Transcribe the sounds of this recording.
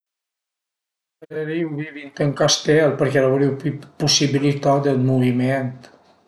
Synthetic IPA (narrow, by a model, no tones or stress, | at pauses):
əɾəɾiwβiβint̪əŋkast̪ɛlˠpəɾkɛlawɾiwpusiβilit̪ad̪əlmuβiment̪